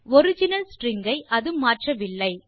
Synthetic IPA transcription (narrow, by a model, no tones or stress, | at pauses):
ɔɾɪd͡ʒɪnɐlsʈrɪŋɡɐɪʔɐðɯmaːʈrɐʋɪlːɐɪ